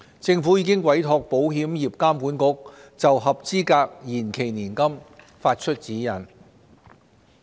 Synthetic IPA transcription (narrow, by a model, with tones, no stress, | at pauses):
t͡sɪ˧ŋfu˨˥jiː˨˧kɪ˥ŋkwɐ˨˥jt̪ʰɔː˧k̚po˨˥wɦiː˨˥mjiː˨p̚kaː˥mpuː˨˥nkʊ˥k̚t͡sɐ˨wɦɐ˨p̚t͡siː˥kaː˧k̚jiː˨˩nkʰe˨˩jniː˨˩nkɐ˥m | faː˧t̚t͡ʃʰɵ˥t̚t͡siː˨˥jɐ˨˩n